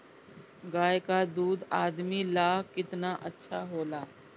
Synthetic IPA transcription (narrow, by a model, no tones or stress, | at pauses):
ɡaːekad̪uːd̪aːd̪milaːɦkɪt̪naʔɐtːʃʰaɦoːlaː